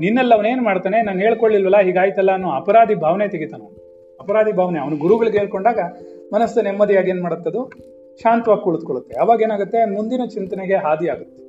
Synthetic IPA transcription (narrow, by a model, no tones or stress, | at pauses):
ninːɛlːɐɐʋɐne̞ːnumaːɽt̪aːnenaːnuɦeːɭkoɭːilʋɐlːɐɦiːɡaːjt̪ɐlːɐːnːuɐpɐɾaːd̪ʱibʱaːʋnet̪eɡit̪ɐːnoː | ɐpɐɾaːd̪ʱibʱaːʋneɐʋɐnuɡuɾuɡɐɭiɡeːɭkoɳɖaːɡɐmɐnɐsːɐnemːɐd̪ijaːɡeːnmaːɽɐt̪ːɐd̪u | ʃaːnt̪ʋaːɡikuɭud̪ukoɭut̪ːe̞ɐʋaːɡe̞ːnaːɡut̪ːe̞mund̪inɐt͡ʃint̪ɐneɡe̞ɦaːd̪iaːɡut̪ːe